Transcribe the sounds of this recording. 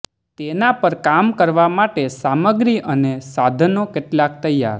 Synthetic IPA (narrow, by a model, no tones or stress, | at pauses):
t̪enapəɾkamkəɾʋamaʈesaməɡɾiənesad̪ʱənokeʈlak̚t̪əjːa̰ɾ